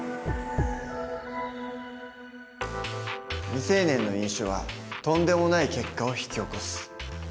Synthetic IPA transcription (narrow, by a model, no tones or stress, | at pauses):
mʲise̞ːnẽ̞nːo̞ĩɰ̃ɕoβa̰t̪õ̞nd̪e̞mo̞naike̞kːao̞çi̥kʲio̞ko̞sɨ̥